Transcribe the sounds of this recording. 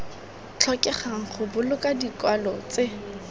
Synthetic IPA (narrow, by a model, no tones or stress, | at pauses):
t͡ɬʰɔkʼɛχaŋ̩χʊbʊlʊkʼadikwalɔt͡sɪ